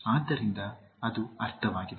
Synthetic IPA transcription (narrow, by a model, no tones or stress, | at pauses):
aːd̪ːɐɾind̪ɐɐd̪uɐɾt̪ʰɐʋaːɡid̪